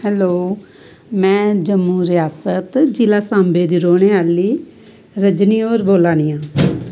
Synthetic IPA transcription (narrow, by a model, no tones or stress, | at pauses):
hɛːloː | mɛ̃ːd͡ʒəmːuːɾɪjaːsət̪d͡ʒɪlaːsãːmbeːd̪iːɾoːɳ̃eːaːliː | ɾəd͡ʒniːoːɾboːlãːniːãː